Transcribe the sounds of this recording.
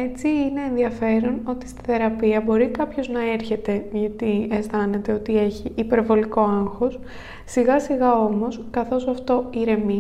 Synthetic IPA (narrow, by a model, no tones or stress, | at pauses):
e̞t͡siine̞ːnðiɐfe̞ɾo̞no̞t̪i̥st̪i̥θe̞ɾɐpiɐbo̞ɾikɐpço̞znɐe̞ɾçe̞t̪e̞ʝɐt̪iesθɐne̞t̪e̞o̞t̪ie̞çiʔːpe̞ɾvo̞liko̞ɐŋxo̞s | siɣɐsiɣɐo̞mo̞skɐθo̞sɐft̪o̞iɾe̞mi